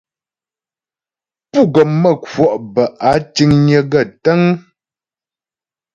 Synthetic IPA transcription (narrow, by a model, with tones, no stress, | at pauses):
pu˦˨ɡɔ˨mmə˦˨kwɔ˨ʔbə˨ʔa˨˦ti˦ŋɲə˨ɡə˦˨tə˦ŋ